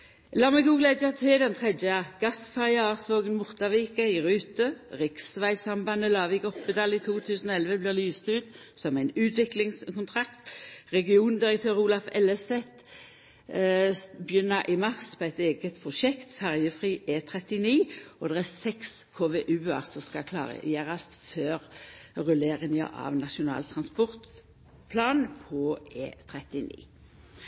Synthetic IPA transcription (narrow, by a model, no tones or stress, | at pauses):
lɑːmɛɡuːɡlæd̪ət̪ʰɪd̪ɛnt̪ʰʁɛd̪jəɡ̥ɑsfæʁjɑɑːsʋoːɡənmʊʁt̪ɑʋiːkɑɪʁʉːt̪əʁɪksʋæɪsɑmbɑnəlɑːʋɪɡɔpːəd̪ɑːlit̪ʰuːt̪ʰʉːsənɔɛlʋəblɪːʁlyːst̪ʉːt̪ | sɔmæɪnʉːt̪ʰʋɪklɪŋskʰʊnt̪ʰʁɑkt̪ʁɛɡɪuːnd̪ɪʁəkt̪ʰøːʁuːlɑfɛlɛsɛt̪ | bjʏnːəɾʔɪmɑʁspʰɔæɪt̪eːɡət̪pʰʁʊʃɛkt̪fæʁjəfʁiːʔeːt̪ʰʁɛt̪ɪniːʔɔd̪ɛʁæsɛks | kʰoːʋeːʔʉːɑ̰sɔskɑkʰlɑ̰ːʁə̰jæːʁɑst̪føːʁʁʉleːʁɪŋə̰ʔɑ̰ʋnɑʃʊnɑ̰ːlt̪ʰʁɑnspɔʁt̪ | pʰlɑːnpʰɔeːt̪ʰʁɛt̪ɪnḭː